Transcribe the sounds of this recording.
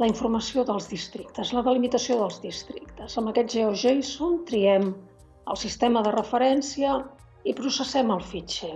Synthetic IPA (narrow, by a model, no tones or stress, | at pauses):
ləiɱfurməsioðəlˠzðist̪ɾikt̪əzləðəlimit̪əsioðəlˠzðist̪ɾikt̪əzəmbəkɛt̪ʒeɔʒejsont̪ɾiɛm | ə̰lˠsist̪eməðərəfəɾɛnsiə | ipɾusəsɛməlˠfit͡ʃɛ